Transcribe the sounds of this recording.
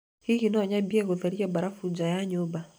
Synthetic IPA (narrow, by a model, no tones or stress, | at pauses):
hiɣinɔɲabiɛɣoðaɾiɛbaɾafud͡ʒajaɲoba